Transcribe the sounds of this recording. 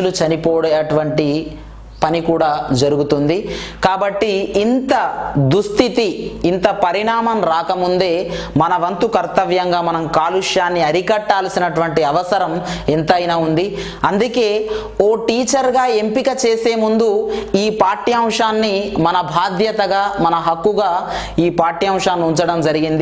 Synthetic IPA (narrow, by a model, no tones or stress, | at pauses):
lut͡ʃɐnipoːɽɐjɐʈuʋɐɳʈi | pɐnikuːɽaːd͡ʒɐɾuɡut̪und̪ikaːbɐʈːiːnt̪ɐd̪ust̪ʰit̪iːnt̪ɐpɐɾiɳaːmɐmɾaːkɐmund̪e̞ː | mɐnɐʋɐnt̪ukɐɾt̪ɐʋjɐŋɡaːmɐnɐmkaːluʂjaːnːiɐɾikɐʈːaːlɐsinɐʈuʋɐʈʈiɐʋɐsɐɾɐme̞nt̪ɐjnaːund̪i | ɐnd̪uke̞ː | o̞ːʈiːt͡ʃɐɾɡaːe̞mpikɐt͡ʃeːse̞ːmund̪uiːpaːɾʈiɐmʂaːnːimɐnɐbʱaːd̪jɐt̪ɐɡaːmɐnɐɦɐkːuɡaː | iːpaːɾʈiɐmʂaːnːuɲt͡ʃɐɽɐmd͡ʒɐɾiɡind̪i